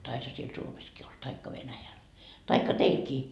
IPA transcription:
tɑishɑ siel suomeskiː ol tɑikːɑ ʋenæjæl tɑikːɑ teilkiː

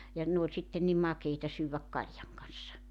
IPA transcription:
jɑ ne olʲ sitːen̆ ni mɑkeitɑ syːwæk kɑljɑŋ kɑn̞sːɑ

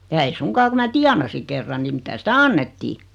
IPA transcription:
jɑ ei suŋkɑː ku mæː tiɑnɑsi kerːɑn ni mitæ sitæ ɑnːetːiː

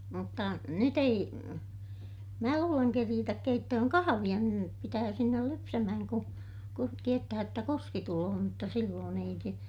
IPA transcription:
mutːɑ nyt ei mæː luːleŋ keriːtæk keitːøhøŋ kɑhɑʋij̆ɑ niːrem pitæː sinːel lypsæmæhæŋ ku kun tietːæhæj jotːɑ kuski tuloː mutːɑ silːoːn ei se

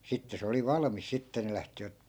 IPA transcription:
sitːe se oli ʋɑlɑ̆mis sitːe ne læhtiʋæt

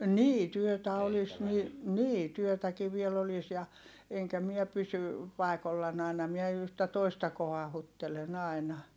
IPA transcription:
niː tyøtæ olis ni niː tyøtæki ʋiel olis jɑ eŋkæ miɛ pysy pɑˑi̯kolːɑn ɑˑi̯nɑ miɛ yhtæ toistɑ kohɑhutːelen ɑˑi̯nɑ

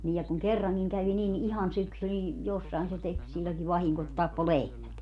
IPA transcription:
niː jɑ kuŋ kerːɑŋkiŋ kæʋi nin ihɑn syksy nin josːɑi̯n se tek silʲːoŋki ʋɑhiŋko et tɑpːo lehmæt

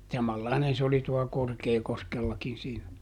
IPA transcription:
sɑmɑlːɑinen se oli tuɑ korkeːkoskelːɑkin siːnæ

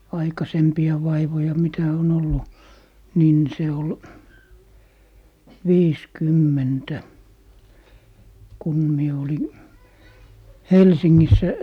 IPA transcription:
ɑikɑsempiɑ ʋɑiʋojɑ mitæ on olːu niːn se ol ʋiːskymːentæ kun mie oli helsiŋːisːæ

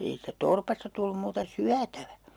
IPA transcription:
ei siːtːæ torpɑstɑ tulːum muːtɑ syætæʋæ

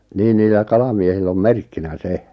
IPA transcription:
niːn niːlːæ kɑlɑmiehilː om merkːinæ se

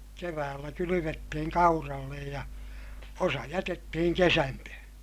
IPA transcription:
keʋæːlːæ kylyʋetːihiŋ kɑurɑlːej jɑ osɑ jætetːihiŋ kesæntøhø̃ː

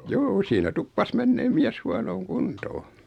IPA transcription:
juːu siːnæ tupːɑs menːeːm miæs huɑnoːŋ kuntoː

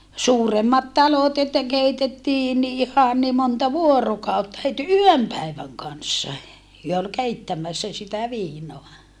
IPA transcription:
suːremːɑt tɑlot etːæ keitetːiː ni ihɑn ni montɑ ʋuorokɑˑutːɑ het yøm pæiʋæŋ kɑnsːɑ hyø ol keitːæmæsːæ sitæ ʋiːnoɑ

